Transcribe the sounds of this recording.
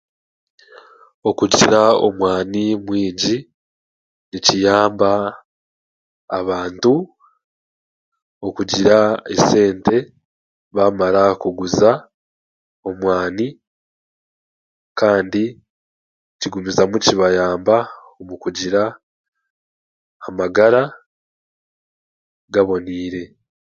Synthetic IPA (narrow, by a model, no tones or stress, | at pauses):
o̞kuɟiɾao̰mwaːnimwiːɲɟi | nicijaːmba | βaːntu | o̞kuɟiɾaḛse̞ːnte̞ | βamaɾakuɡuza | o̞mwaːni | kaːndi | ciɡumizamuciβajaːmbaomukuɟiɾa | maɡaɾa | ɡaβo̞niːɾe̞